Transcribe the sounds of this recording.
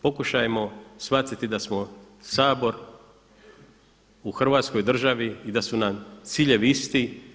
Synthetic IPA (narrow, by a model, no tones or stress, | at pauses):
po̞kuʃajemo̞sʋat̪t̪it̪id̪asmo̞ | saːbo̞ɾ | uxr̩ʋaːt̪sko̞jd̪r̩ʒaʋiːd̪asunamt̪siːʎe̞ʋiist̪i